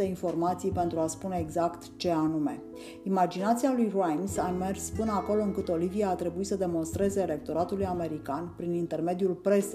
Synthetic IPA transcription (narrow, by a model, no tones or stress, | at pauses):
einfo̞rmat̪sijpe̞nt̪ɾuaspuneeɡzakt̪t͡ʃe̞anume̞ | imad͡ʒinat̪sialujrajnsame̞rspɨnəako̞lo̞ɨŋkɨt̪o̞livijaːt̪ɾe̞buisəd̪e̞mo̞nst̪ɾe̞ze̞ːle̞k̚t̪o̞ɾat̪ulujame̞ɾikanpɾinint̪e̞rme̞d̪ijulpɾe̞s